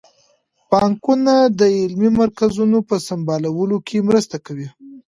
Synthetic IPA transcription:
pɑŋkunad̪əɪlmimaɾkazunopəsambɑlawəlokʰemɾəst̪akawi

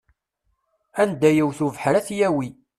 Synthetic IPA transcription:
ænd̪æjəwθuvħəɾæθjæwi

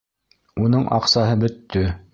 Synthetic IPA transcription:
unɤɴʔɑ̰qsɑɦɤbɵ̆t̪ːɵ

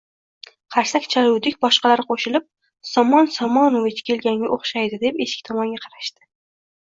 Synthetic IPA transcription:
qʰɑɾsakʲt͡ʃʰalʊwd̪ɪkʲbɒʃqɑlaɾɪqʰoʃɪlɪp̚ | sɒmɒnsɒmɒnovɪt͡ʃkʲʰe̞lɡʲaŋʲaʔoχʃajd̪ɪd̪e̞peʃɪ̥kʲt̪ʰɒmɒŋɡʲaqʰɑɾaʃt̪ɪ̥

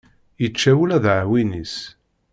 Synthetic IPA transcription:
jət͡ʃːæwulæðʕwinis

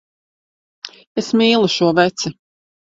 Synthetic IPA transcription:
esmiːlˠuʃuɔvɛt̪si

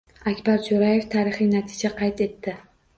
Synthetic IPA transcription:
akʲbaɾd͡ʒoɾaje̞ft̪ʰaːɾɪχɪjnat̪ʰɪd͡ʒaqʰɑjt̪e̞t̪ːɪ

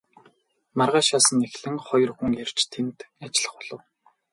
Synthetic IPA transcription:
marʁaːʃaːsə̆nːexɮɘ̆ŋχɔjɞ̆rxŭŋer̥t͡ɕt̪ʰent̪at͡ɕɪɮə̆χʊɮə̆w

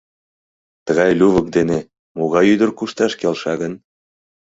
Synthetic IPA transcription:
t̪əɣɑjlʲuβək̚d̪ene | moɣɑjyd̪ərkuʃt̪ɑʃkelʃɑɣən

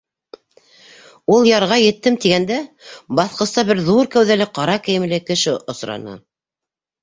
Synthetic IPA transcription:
ulˠjɑɾʁɑjɘ̆t̪ːɘmt̪iɡænd̪æbɑθqɤ̆st̪ɑbɘɾðuɾkæwðælɘqɑɾɑkɘ̆jɘ̆mɘ̆lɘkɘ̆ʃɘʔŏsɾɑ̰nɑ̰

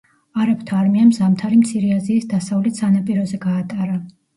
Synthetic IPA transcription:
aɾapt̪ʰaːɾmiamzamt̪ʰaɾimt̪sʰiɾɛaziːsd̪asavlɛt̪sanapʼiɾɔzɛɡaːt̪ʼaɾa

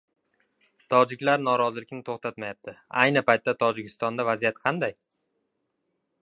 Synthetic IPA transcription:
t̪ʰɒd͡ʒɪkʲlaɾnɒɾɒzɪlɪkʲnɪt̪ʰoχt̪ʰat̪majap̚t̪ʰɪajnɪpʰajt̪ːat̪ʰɒd͡ʒɪkʲʰɪst̪ɒnd̪avazijat̪qʰɑnd̪aj

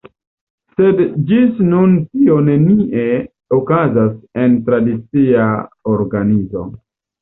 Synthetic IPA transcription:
se̞dd͡ʒisnuntio̞ne̞niʔe̞ | okazase̞ntɾadit͡siaoɾɡanizo̞̰

